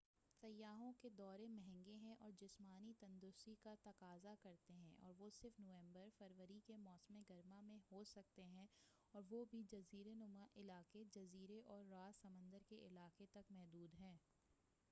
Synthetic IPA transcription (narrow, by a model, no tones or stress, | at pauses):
sɐjːaːɦõked̪ɔːɾemɛɦɛ̃ŋɡeɦɛ̃ʔɔːɾd͡ʒɪsmaːnit̪ɐ̃nd̪ʊsikat̪ɐqaːzakɐɾt̪eɦɛ̰̃ʔɔ̰ːɾʋosɪɾfnoːʋɛ̃ːmbəɾfɐɾʋəɾikemɔːsmeɡɐɾmamẽhosɐk̚t̪eɦɛ̃ | ɔːɾʋobʱid͡ʒɐziːɾenʊmaʔɪlaːqed͡ʒɐziːɾeʔɔːɾːaːsɐmə̃nd̪əɾkeʔɪlaːqet̪ɐkmɛɦd̪uːd̪ɦɛ̃ː